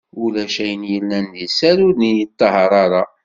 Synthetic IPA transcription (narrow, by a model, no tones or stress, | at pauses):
ulæʃæjənjəlːænðisæɾʊɾnijət̪ˤːɑɦəɾˤɑɾˤɑ